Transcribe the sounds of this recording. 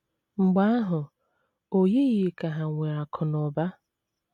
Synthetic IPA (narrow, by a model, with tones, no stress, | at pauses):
ŋ͡m̩˨ɡ͡ba˦a˦ɦʊ˨ | o˨je˦ɣɪ˨ka˨ɦa˨ŋʷe˨a˨kʰʊ˨nɔ˨ba˦